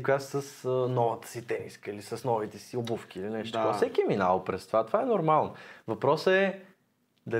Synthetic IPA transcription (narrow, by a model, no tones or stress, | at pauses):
kɡasəsənɔvət̪ə̥sit̪ɛmiskəilisɐsnɔvit̪ɛsiobufk̟iːlinɛʃt̪ot̪ɔfsɛkiɛminalˠpɾɛst̪ovat̪ovaɛnoɾmalˠnvɐpɾɔsəɛ | d̪ɐ